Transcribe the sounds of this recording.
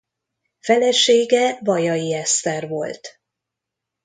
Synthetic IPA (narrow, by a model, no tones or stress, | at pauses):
fɛlɛʃeːɡɛvɒjɒjiɛst̪ɛrvo̞̰lt̪